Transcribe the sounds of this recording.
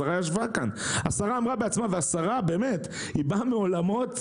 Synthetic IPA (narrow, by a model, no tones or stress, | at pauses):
aʁajaʃ̬vakanasaʁaːmʁabeat͡smaveasaʁabeːme̞t | ibameo̞lamo̞t̪